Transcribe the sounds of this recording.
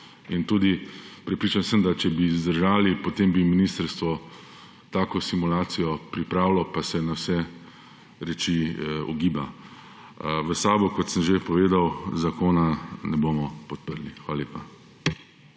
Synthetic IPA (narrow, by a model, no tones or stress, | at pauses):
int̪uːd̪ipɾɛpɾiːt͡ʃansəmd̪at͡ʃɛbizd̪əɾʒaːlipɔt̪eːmbiminiːst̪əɾst̪ʋɔ | t̪aːkɔsimulaːt̪sijɔpɾipɾaːwlɔpasɛnawsɛ | ɾɛt͡ʃiɔ̰ɡiːba | ʋəsaːbɔkɔt̪səmʒepɔʋeːd̪awzakoːnanɛboːmɔpɔt̪̚pəɾlixʋaːlaleːpa